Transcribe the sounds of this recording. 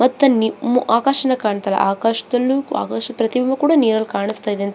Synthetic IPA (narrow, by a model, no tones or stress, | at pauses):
mɐt̪ːɐnimuʔaːkaʃɐnɐkaːɳt̪ɐlɐ̰ʔaːkaːʃɐ̥d̪ɐlːua̰ːkaːʃɐpɾɐt̪ibʱimɐkuːɽaniːɾɐlkaːɳist̪aːid̪eːnt̪